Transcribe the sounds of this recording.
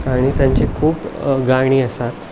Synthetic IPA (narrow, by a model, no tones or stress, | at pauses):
aɽ̃it̪jaɲt͡ɕikʰuːpɡaɳ̃iːəsat̪